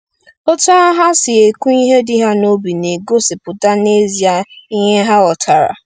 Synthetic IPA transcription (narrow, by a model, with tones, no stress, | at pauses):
o˦ta˦a˦ɦa˦sɪ˨e˨ku˦i˦ɦe˦dɪ˦ɦa˦no˦bi˨ne˨ɡo˦sɪ˨pʊ˨da˦ne˦zi˨a˨i˦ɦe˦ɦa˦ɔ˨tʰa˨ɾa̰˨